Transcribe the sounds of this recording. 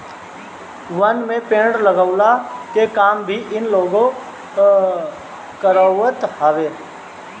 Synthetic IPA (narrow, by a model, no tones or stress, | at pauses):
ʋənmẽpẽːɽləɡəʊlakekaːmbʱiʔɪnloːɡõ | kəɾəwət̪haʋeː